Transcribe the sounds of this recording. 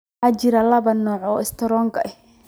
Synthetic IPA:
aːt͡ʃɪɾɐlɐβɐnɔːʕɔːɪst̪ʰɐɾɔːŋkʰɐʔɛh

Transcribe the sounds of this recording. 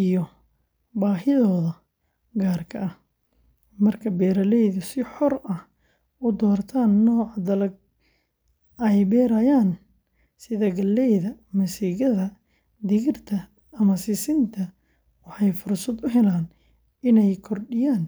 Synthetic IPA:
ijɔ | baːɦɪðɔːðɐ | ɡaːrkʰɐʔɐh | mɐrkʰɐbɛːɾɐlɛjðʊsɪħɔrɐh | ʔʊd̪ɔːrt̪ʰaːnːɔːʕɑd̪ɐlɐɡ̚ | ʔɛjbɛːɾɐjaːn | sɪðɐɡɐlːɛjðɐmɐsiːɣɐðɐ | d̪ɪɣɪrt̪ʰɐː | mɐsɪsɪnt̪ʰɐ | wɑħɑjfʊrsɐd̪ʊɦɛlaːn | ʔɪnɛjkʰɔrɖɪjaːn

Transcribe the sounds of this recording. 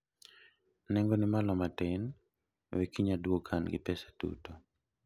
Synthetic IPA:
nɛŋɡonɪmalɔmatɛn | wekiɲadwokʰanɡɪ̰pɛsḁtṵto

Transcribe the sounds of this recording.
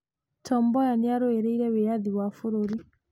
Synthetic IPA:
tɔmbɔjaneaɾoeɾeiɾɛweaðiwafoɾoɾi

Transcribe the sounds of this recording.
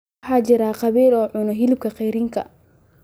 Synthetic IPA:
ħaːd͡ʒɪɾaːqɑβiːlɔːʕʊnɔɦilɪb̚kʰɐqɛjɾɪŋkʰɐ̰

